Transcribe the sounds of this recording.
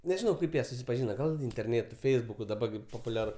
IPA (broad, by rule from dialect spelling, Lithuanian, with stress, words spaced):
nʲɛʒʲɪˈnɐʊ ˈkɐɪp jiɛ sʊsʲɪpɐˈʒʲiːnɐ ˈɡɐlˠ ɪnʲtʲɛrʲˈnʲeːtʊ ˈfʲɛɪzbʊkʊ ˈdɑːbɐ ɡʲɪ poːpʊˈlʲæːrʊ